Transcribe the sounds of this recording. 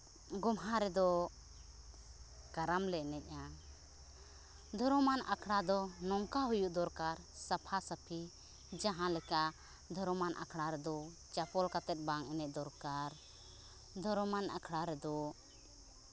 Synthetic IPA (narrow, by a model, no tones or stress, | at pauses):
ɡɔmɦaɾɛd̪ɔ | kaɾamlɛʔnɛc̚ˀa | d̪ʱɔɾɔmanʔa̰kʰɽad̪ɔnɔŋkaɦujuʔd̪ɔɾkaɾsapʰasəpʰi | d͡ʒaɦãlɛkaʔ | d̪ʱɔɾɔmanʔa̰kʰɽaɾɛd̪ɔ | t͡ʃapɔlkat̪ɛt̪̚baŋɛnɛc̚d̪ɔɾkaɾ | d̪ʱɔɾmanakʰɽaɾɛd̪ɔ